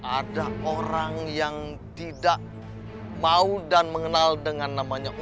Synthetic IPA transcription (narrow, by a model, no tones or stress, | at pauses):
ʔadaoɾaŋjaŋt̪idaʔ | maudanməŋənaldəŋanːamaɲaʔu